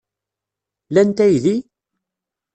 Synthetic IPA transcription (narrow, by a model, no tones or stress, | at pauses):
lænt̪æjði